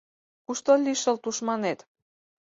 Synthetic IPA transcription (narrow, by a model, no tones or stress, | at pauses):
kuʃt̪olʲiʃə̆lt̪uʃmɑnet̪